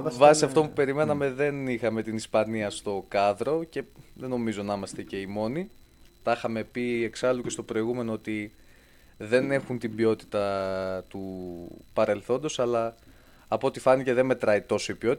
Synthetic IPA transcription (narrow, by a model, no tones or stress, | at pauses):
vɐsiɐft̪omupe̞ɾime̞nɐme̞ðe̞nixɐme̞t̪inispɐniɐst̪o̞kɐðɾo̞ce̞ðe̞no̞mizo̞nɐimɐst̪e̞ce̞imo̞ni | t̪ɐxɐme̞pieksɐluce̞st̪o̞pɾo̞iɣume̞noot̪i | ðe̞ne̞xunt̪ibio̞t̪i̥t̪ɐt̪upɐɾe̞lθo̞nd̪o̞sɐlɐː | poot̪ifɐnice̞ðe̞nme̞t̪ɾɐit̪o̞so̞ibio̞t̪